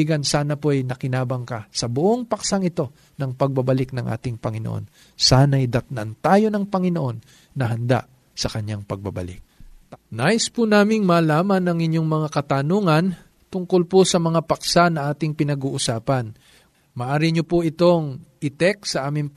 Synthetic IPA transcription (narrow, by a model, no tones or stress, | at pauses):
ɡɐnsaːnɐpoʔɐjnɐkɪnaːbɐŋkɐsɐbʊʔoŋpɐksaŋɪt̪o̞ | nɐŋpɐɡ̚bɐbɐlɪk̚nɐŋʔa̰ːt̪ɪŋpɐŋɪnoʔo̰n | saːnɐjd̪ɐt̪̚nɐ̰nt̪aːjo̞nɐŋpɐŋɪnoʔo̞nː | ɐɦɐnd̪a̰ʔ | sɐkɐɲːaŋpɐɡ̚bɐbɐ̰lɪ̰k̚naʔɪspʊnaːmɪŋmaːlaːmɐnːɐŋɪɲjo̞ŋmɐŋakɐt̪ɐnoːŋɐn | t̪ʊŋko̞lposɐmɐŋapɐksanɐʔaːt̪ɪŋpɪnɐɡuːʔʊsaːpɐn | mɐʔaːɾɪɲopoʔɪt̪o̞ŋʔɪt̪ɛk̚sɐʔaːmɪŋ